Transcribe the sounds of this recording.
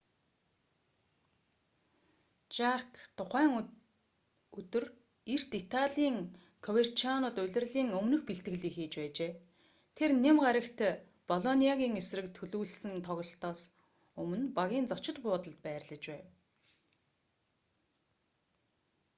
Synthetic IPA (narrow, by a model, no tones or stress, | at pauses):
t͡ɕarkt̪ʰʊχæːŋ | ɵt̪ɵ̆r | ir̥t̪it̪ʰaɮiːŋ | kʰɔwer̥t͡ɕianʊːt̪ʊɮʲɪ̆rɮiːŋɵmnɵ̆xpiɬt̪ɡɘ̆ɮiːxiːt͡ɕpæːt͡ɕeː | t̪ʰernemɢaɾə̆kt̪ʰ | pɔɮɔniaɣʲiːŋesrɘ̆kt̪ʰɵɮuːɮsɘ̆nt̪ʰɔɣɞ̆ɬt̪ɔːs | ɵmɵ̆npaɣʲiːnt͡sɔt͡ɕɪ̆t̪pʊːt̪ə̆ɮt̪̚pæːrɮə̆t͡ɕpæːw